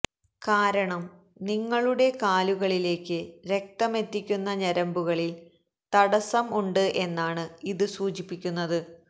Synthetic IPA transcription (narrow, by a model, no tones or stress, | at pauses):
kaːɾɐɳɐm | niŋːɐɭuɽe̞kaːluɣɐɭile̞ːkːɨɾe̞k̚t̪ɐme̞t̪ːikʲːunːɐɲɐɾɐmbuɣɐɭil | t̪ɐɽɐsɐmuɳɖɨʔe̞nːaːɳɨiðɨsuːt͡ɕipːikʲːunːɐðɨ